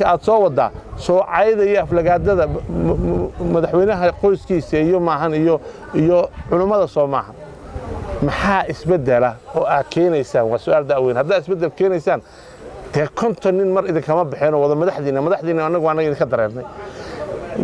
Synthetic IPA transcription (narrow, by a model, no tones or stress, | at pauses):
kʰɐaːd̪sɔːwɑd̪a̰ːsɔːʕɑjðɐijɔɐflɐɣaːd̪ɐðɐ | mɐðɐħwɛjnɐɦɐqɔjskʰiːsɐijɔmaːɦɐnijɔ | ijɔʕʊlʊmɐðɐsɔːma̰ːhɐn | mɑħɑːɪsbɛd̪ɛlɐɔːʔaːd̪kʰɛːnɛjsaːnwɑːsʊaːld̪awɛːnhɐd̪aːd̪ɪsbɛd̪ɛlkʰɛːnɛjsaːn | d̪̥ɛːkʰɔnt̪ʰɐnːɪnmɐɾɪðɪŋkʰɐmɐbɪħɛːnɔːwɑðɔmɐðɐħðiːnːɐmɐðɐħðiːnːɐːnːɐɣʊːnːɐɣɐɪðɪŋkʰɐd̪ɐɾɛ̰ːrnɛj